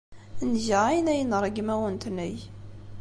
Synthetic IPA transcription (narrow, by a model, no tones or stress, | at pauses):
nʒæajnæjənɾˤəɡmæwənt̪nəj